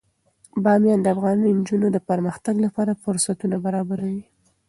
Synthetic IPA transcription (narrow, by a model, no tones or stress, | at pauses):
bɑmjɑnd̪əafɣɑnijnd͡ʒunod̪əpəɾməxt̪aɡlapɑɾafʊɾsat̪unabaɾɑbaɾawi